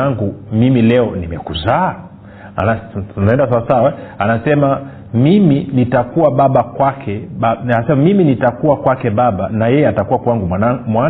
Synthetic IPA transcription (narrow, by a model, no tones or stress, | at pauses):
aŋɡumimilɛɔnimɛ̰kuzaː | a̰nanaɛndasawasawaanasɛma | miminitakuwaɓaɓakwakʰɛɓanasɛmamiminitakuwakwakɛɓaɓanajɛjɛatakuwakwaŋɡumamwa